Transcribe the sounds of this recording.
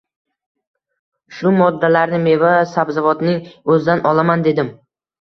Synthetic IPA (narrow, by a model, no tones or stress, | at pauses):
ʃʊmɒd̪ːalaɾnɪme̞vasabzavɒt̪nɪŋɵzɪd̪anʔɒlamand̪e̞d̪ɪm